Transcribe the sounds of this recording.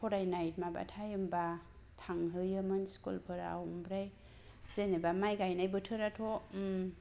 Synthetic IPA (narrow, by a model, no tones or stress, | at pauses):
pʰɔɾajnajt̚maba̰tʰajɯmba | tʰaŋɦɯjɯmɯnskṵlpʰɯɾa̰wmbɾaj | z̥enebamajɡajnajbɯtʰɯɾatʰɔ